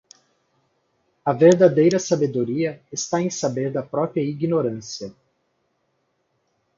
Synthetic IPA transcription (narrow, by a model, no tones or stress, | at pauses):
ɐveɾd̪ad̪ejɾɐsabed̪oɾiɐest̪aẽj̃sabeɾd̪ɐpɾɔpɾiɐiɡinoɾɐ̃sijɐ